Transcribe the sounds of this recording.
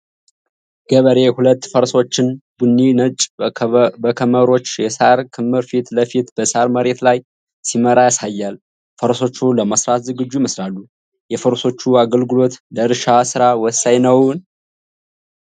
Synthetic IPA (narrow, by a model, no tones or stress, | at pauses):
ɡ̥əβəɾe̞hulət̪ːfəɾso̞t͡ʃːɪnbunːinət͡ʃʼ | bəkʰəməɾo̞t͡ʃːjɛsaɾkʰɨmːɨɾfit̪ləfit̪b̥əsaɾməɾe̞t̪laj | siməɾajasajːal | fəɾso̞t͡ʃːuləməsɾat̪zɨɡɨd͡ʒːujməsɾalːu | jɛfəɾso̞t͡ʃːuaɡəlɡɨlo̞t̪ləɨɾʃasɨɾawɔsajnəwn